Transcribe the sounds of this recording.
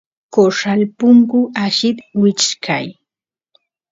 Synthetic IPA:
koʂalpʊŋkʊaʃɪt̪wɪt͡ʃkʰaj

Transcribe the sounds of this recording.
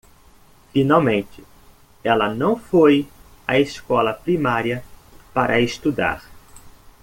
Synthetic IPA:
finawmẽnt͡ʃɪ | ɛlɐnɐ̃w̃foj | aeskɔlɐpɾimaɾiɐpaɾʔɐest̪ud̪a̰ɾ

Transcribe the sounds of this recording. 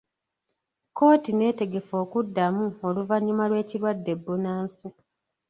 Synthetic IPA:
ko̞ːtine̞ːte̞ɡe̞fo̞ːkudːamuo̞luvaɲːumalwe̞ːciɾwadːe̞bːunaːnsi

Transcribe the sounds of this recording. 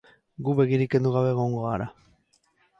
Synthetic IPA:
ɡuβe̞ɣiɾike̞nd̪uɣ̞aβe̞ɣo̞ŋɡoaɾa

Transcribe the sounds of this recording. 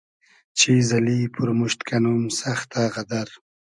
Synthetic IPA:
t͡ʃizalipʰʊɾmuʃt̪kʰanumsaxt̪aɣad̪aɾ

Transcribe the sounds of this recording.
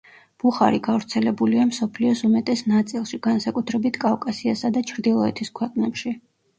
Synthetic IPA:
b̥uχa̰ɾiɡavɾt̪sʰɛlɛbuliamsɔpʰliɔsumɛt̪ʼɛsnat̪sʼilˠʃiɡansakʼut̪ʰɾɛbit̪ʰkʼavkʼasiasad̪at͡ʃʰɾd̪ilˠɔɛt̪ʰiskʰwɛqʼnɛpʃi

